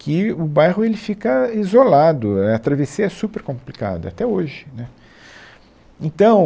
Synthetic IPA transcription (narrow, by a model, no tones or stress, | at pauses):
kɪʊbajɦʊelɪfikɐizolad̪ʊɐt̪ɾavesiɐɛsupeɾkõmplika̰d̪ɐ̰at̪ɛoʒɪnɛ | ẽnt̪ɐ̃w̃